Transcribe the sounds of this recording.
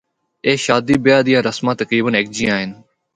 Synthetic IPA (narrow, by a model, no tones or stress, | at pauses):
eːʃaːd̪iːbɪjaːd̪ɪjãːɾəsmãːt̪əkɾiːbəneːk̚d͡ʒijãːɦɪn